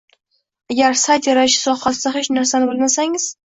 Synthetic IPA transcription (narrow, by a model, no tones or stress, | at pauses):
aɡʲaɾsajt̪jaɾaɪʃɪ̥sɒhasd̪aɦet͡ʃnaɾsanɪbɪlˠnasaŋɪz̥